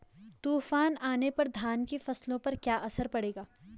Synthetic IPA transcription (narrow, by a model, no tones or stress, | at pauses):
t̪uːfaːnaːnepɐɾd̪ʱaːnkefɐslõpɐɾkjaːʔɐsəɾpɐɽeːɡaː